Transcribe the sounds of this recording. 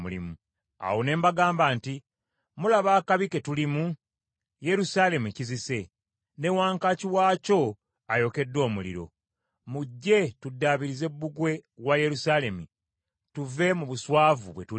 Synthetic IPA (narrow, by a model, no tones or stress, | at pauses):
mulḭmu | a̰wone̞ːmbaɡaːmbaːnti | mulaβaːkaβike̞tulimu | je̞ɾusale̞mucizise̞ | ne̞waːŋkaciwaːco̞ | ajo̞ke̞dːo̞ːmulḭɾo̞̰ | muɟːe̞tudːaβiɾize̞bːuɡwe̞waje̞ɾusaːle̞mu | tuve̞muβuswaːvuβwe̞tu